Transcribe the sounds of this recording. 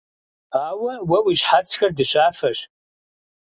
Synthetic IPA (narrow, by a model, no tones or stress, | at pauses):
awawawiʒħat͡sʰxʲɐrdɨʃaːfɐʃ